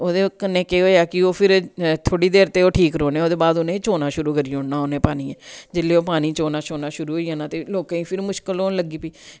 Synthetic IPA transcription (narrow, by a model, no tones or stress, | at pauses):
oːd̪eːkənːẽːkeːɦoːeaːkɪoːpʰɪɾt̪ʰoːɽiːd̪eːɾt̪eːoːʈʰiːkɾoːnẽːoːd̪eːbaːd̪ʊnẽːt͡ʃoːnaːʃʊɾuːkəɾiːʊ̃ɳnaːonẽːpaːniːɛːd͡ʒɪlːeːoːpaːniːt͡ʃoːnaːʃoːnaːʃʊɾuːɦoːiːãːnãːt̪eːloːkãːĩːpʰɪɾmʊʃkəloːləɡiːpiː